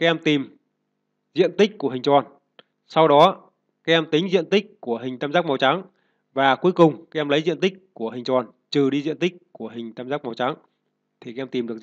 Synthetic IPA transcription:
kaː˦˥ʔɛ˧mt̪i˨˩m | zḭ˧˨ənt̪ï˦˥k̟̚ku˧˩əɦï˨˩ŋ̟t͡ɕwɔ˨˩n | sa˧wɗɔ˨˦ | kaː˦jʔɛ˧mt̪i˨˦ŋ̟zḭ˧˨ənt̪i˦˥k̚ku˧˩əɦï˨˩ŋ̟t̪aː˧mzaː˦˥k̚ma˨˧˦wt͡ɕa˨˦ŋ | vaː˨˩ku˨˦əjkʊ˨˩ŋ͡mkaː˨˦˥ʔɛ˧mlə˨˦jzḭ˧˨ənt̪ï˦˥k̟̚ku˧˩əɦï˨˩ŋ̟t͡ɕwɔ˨˩n | t͡ɕɨ˨˩ɗi˧zḭ˧˨ənt̪i˦˥k̟̚ku˧˩əɦï˨˩ŋ̟t̪aː˧mzaː˦˥k̚ma˨˦wt͡ɕa˨˦ŋ | t̪ʰi˨˩kaː˨˦ʔɛ˧mt̪i˨˩mɗɨ˨˩ək̚

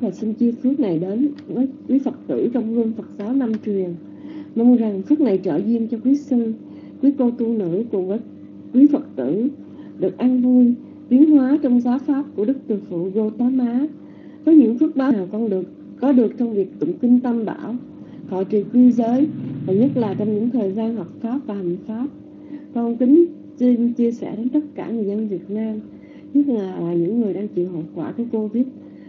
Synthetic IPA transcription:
vaː˨˩sï˧nt͡ɕi˧fɨ˦˥ək̚na˨˩jɗe˨˦nvəː˨˦jkwi˨˦fə˨˩t̚t̪ɨ̰˧˩t͡ɕɔ˧wŋ͡mzu˧əŋfə˨˩t̚zaː˨˦wna˧mt͡ɕwi˨˩əŋ | mə˧nza˨˩ŋfɨ˦˥k̚na˨˩jt͡ɕə̰ː˧˩zi˧ənt͡ɕɔ˧kwi˨˦sɨ˧ | kwi˨˦ko˧t̪u˧nɨ̰˧˥kʊ˨˩ŋ͡mvəː˨˦j | kwi˨˦fə˨˩t̚t̪ɨ˧˨ | ɗɨ˨˩ək̚ʔa˧nvu˧əj | t̪i˨˦əŋhwaː˨˦t͡ɕɔ˧wŋ͡mzaː˨˦wfaː˦˥p̚ku˧˩əɗɨ˦˥k̚t̪ɨ˨˩əfṵ˧˨ɣo˧t̪aː˨˦maː˨˦ | vəː˨˦jɲɨ̰˧˥ŋfɨ˦˥k̚ɓaː˨˦˨wkɔ˧nɗɨ˨˩ək̚ːɔ˨˦ɗɨ˨˩ək̚t͡ɕɔ˧wŋ͡mvi˨˩ək̚t̪ʊ̰˧˨ŋ͡mkï˧ŋ̟t̪ə˧mɓa̰ː˧˩w | fɔ˧˩t͡ɕḭ˨˧˩ət̪wi˧zəː˨˦jvaː˨˩ɲə˦˥t̚laː˨˩t͡ɕɔ˧wŋ͡mɲɨ̰˧˥ŋt̪ʰəː˨˩jzaː˧nɦɔ˨˩wk͡p̚faː˦˥p̚vaː˨˩ha˨˩ŋ̟faː˦˥p̚ | kɔ˧nkï˨˦ŋ̟ | sï˧ŋ̟t͡ɕi˧əsɛ̰˧˩ɗe˨˦nt̪ə˦˥t̚kaː˧˩ŋɨ˨˩əjzə˧nvi˨˩ət̚naː˧m | ɲə˦˥t̚laː˨˩lːɲɨ̰˧˥ŋːɨ˨˩əjɗaː˧ŋt͡ɕḭ˧˨nɦə˨˩p̚kwaː˧˩kaː˨˦jko˧vi˦˥t̚

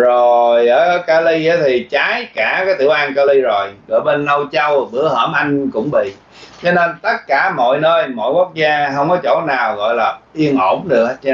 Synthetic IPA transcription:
zo˨˩jʔəː˧˩ʔəː˧˩˦kaː˧li˧ʔaː˨˦t̪ʰi˨˩t͡ɕaː˨˦jkaː˧˩kaː˨˦jt̪ɨ̰˧˩wʔaː˧nka˧li˧zo˨˩jɣɔ̰˧˨˩jɓe˧nlə˧wt͡ɕə˧wɓɨ˧˥˩əhəː˧˩mʔa˧jŋ̟kʊ̰˧˥ŋ͡mɓḭ˧˨ | t͡ɕɔ˧ne˧nt̪ə˦˥t̚kaː˧˩mo̰˧˨jnəː˧jmo̰˧˨jku˦˥ək̚zaː˧ɦə˧wŋ͡mkɔ˨˦t͡ɕo̰˧˩naː˨˩wɣɔ̰˧˨jlaː˨˩ʔi˧əŋʔo˧˩mɗɨ˨˩ək̚ːt͡ɕ

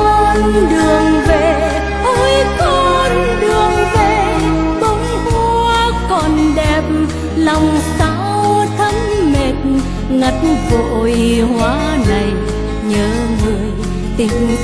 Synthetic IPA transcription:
nɗɨ˨˩əŋve˧˨ | ho˧˦jt̪o˧n | ɗɨ˨˩əŋve˧˨˩ | k̪ə˧˦ŋ͡mhu˧kɔ˨˩nɗɛ˨˩p̚m | la˨˩wŋ͡msa˧˥wt̪ʰə˨˧˦ŋ | me˨˩t̚ | ŋa˨˩t̚nvo̰˧˨jhwaː˨˦ | na˨˩j | ɲəː˨˦ | mɨ˨˩əj | t̪i˧˩m

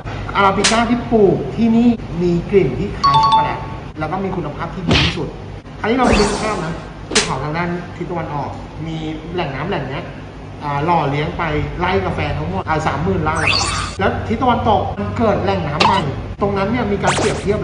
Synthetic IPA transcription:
ʔa˧aː˧pi˧t͡ɕaː˥˩t̪ʰiː˥˩pʰuː˨˩k̚t̪ʰiː˥˩niː˥˩miː˧kli˨˩mt̪ʰiː˥˩kʰaː˨˦jsa˨˧kʰːa˧ɾa˨˩t̪̚ | lɛ˦˥wkɔː˥˩miː˧kʰu˧nːa˧pʰaː˥˩p̚t̪ʰiː˥˩biː˧t̪ʰiː˥˩su˨˩t̪̚ | t̪ʰaː˧nʰiː˥˩a˧wm˧i˦˥pʰaː˥˩p̚na˦˥ | pʰu˥˩kʰa˨˩˦wt̪ʰaː˧ŋdaː˥˩n˥t̪ʰi˦˥t̪̚ːa˧wa˧nʔɔː˨˩k̚ | miː˧lɛ˨˩ŋnaː˦˥mlɛː˨˩ŋ̚ni˦˥ɐ | ʔaː˨˩lɔː˨˩li˦˥əŋpa˧jla˦˥˩jkaː˧fɛː˧t̪ʰa˦˥ŋmo˨˩ʔaː˨˩saː˩˦mːɯː˨˩nlaː˦˧˥wlɛː˦˥wt̪ʰi˦˥a˧wa˧nʔt̪o˨˩k̚ma˧nkɤː˨˩t̪̚lɛ˨˩ŋnaː˦˥mba˧j | t̪o˧ŋna˦˥nːi˥˩ɐmiː˧kaː˧npli˨˩əp̚t̪ʰi˥˩ə

